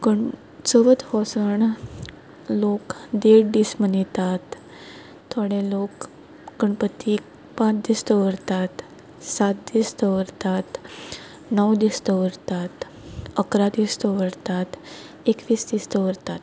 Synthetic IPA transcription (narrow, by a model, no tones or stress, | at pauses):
kəɳ | t͡səʋət̪hɔsəɳ | lokd̪eɾɖismənit̪at̪ʰː | ɔɽẽlokː | əɳpət̪ːi | pãt͡sd̪ist̪əʋəɾt̪at̪ | sat̪̚d̪ist̪əʋəɾt̪at̪ | nəwd̪ist̪əʋəɾt̪at̪ | əkɾad̪ist̪əʋəɾt̪at̪ | ekʋiːsd̪ist̪əʋəɾt̪at̪